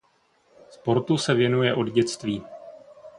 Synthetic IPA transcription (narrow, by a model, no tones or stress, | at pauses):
spo̞ɾt̪usɛvjɛnujɛʔo̞dɟɛt͡st̪viː